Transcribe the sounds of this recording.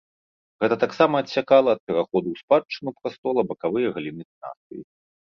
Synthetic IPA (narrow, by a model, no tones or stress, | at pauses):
ɣɛt̪ɐt̪aksamɐːtʲsʲakalˠɐːt̪̚pʲɛɾaxɔd̪uwspat͡ʂːɨnupɾast̪ɔlˠɐbɐkavɨjɐɣɐlʲinɨt̪na̰st̪ɨ̰jḭ